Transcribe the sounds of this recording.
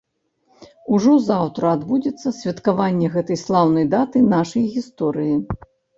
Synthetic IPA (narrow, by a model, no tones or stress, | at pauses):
uʐɔzawt̪ɾɐːd̪bud͡zʲɛt̪sːɐsʲvʲɐt̪kavanʲːɛɣɛt̪ɐjslˠawnɐjd̪at̪ɨnaʂɐjɣʲist̪ɔɾɨji